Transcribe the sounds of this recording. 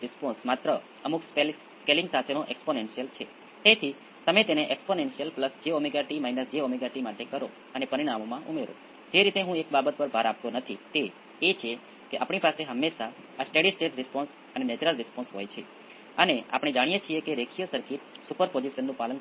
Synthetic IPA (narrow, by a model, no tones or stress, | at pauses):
ɾɪspɔ̃nsmat̪ɾə | əmukspel | skelĩŋɡsat̪ʰenõʔɛksponenʃijəlt͡ʃʰe | t̪et̪ʰi | t̪əmet̪eneʔɛksponensijəlpləsd͡ʒeomiɡaʈimainəsd͡ʒeomiɡaʈimaʈekəɾo | ənepəɾiɽ̃amomãʔumeɾo̰ | d͡ʒeɾit̪eɦũek̚babət̪̚pəɾbʱaɾap̚t̪onət̪ʰit̪eː | t͡ʃʰe | keʔapɳipaseɦəmːeʃaː | sʈeɽisʈeʈɾɪspɔ̃ns | ənenɛt͡ʃuɾəlɾɪspɔ̃nsɦojt͡ʃʰe | ənea̰pɽ̃ẽd͡ʒaɽ̃ijet͡ʃʰiekeɾekʰijəsəɾkit̪supəɾpod͡ʒiʃənːũpalən